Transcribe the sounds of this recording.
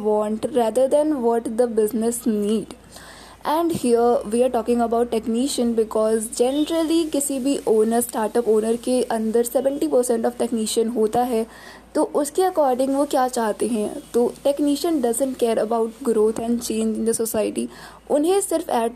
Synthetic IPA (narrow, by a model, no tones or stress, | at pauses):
ʋɔ̃ːɳʈɾɛːd̪əɾd̪ɛ̃nʋɔːʈd̪əbɪznɪsniːɖ | ɛ̃ɳɖhiəɾʋiːaːɾʈɔːkɪ̃ŋɡɐbaʊʈːɛkniːʃə̃nbɪkɔːzd͡ʒɛnɾəlikɪsibʱiʔoːnəɾsʈaːɾʈəpoːnəɾkeʔɐ̃nd̪əɾsɛʋə̃ɳʈipəɾsɛ̃ɳʈɔʋʈɛkniːʃə̃nɦoːt̪aɦɛ | t̪oʔʊskiɐkɔːɾɖɪ̃ŋɡʋokjaːt͡ʃaːɦt̪eɦɛ̰̃t̪oːʈɛkniːʃə̃nɖɐzə̃ɳʈkeːɾəbaʊʈɡɾoːt̪ʰɛ̃ɳɖt͡ʃẽːnd͡ʒɪ̃nd̪əsosaɪʈi | ʊnɦẽsɪɾfɛː